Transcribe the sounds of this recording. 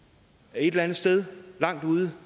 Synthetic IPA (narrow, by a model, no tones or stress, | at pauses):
e̝d̥elænð̩ˠsd̥eð̞ˠlɑ̈ŋ̰d̥uːð̞ˠə